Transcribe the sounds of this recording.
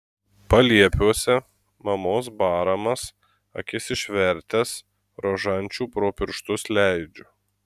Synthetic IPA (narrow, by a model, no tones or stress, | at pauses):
pɐlʲiɛpʲuɔsʲɛ | mɐmoːs̬bɑːɾɐmɐs | ɐ̰kʲɪsʲɪʃʲʋʲɛɾʲt̪ʲɛs | ɾoːʒɐnʲˑt͡ʃʲuːpɾoːpʲɪɾʃt̪ʊslʲæˑɪd͡ʒʲʊ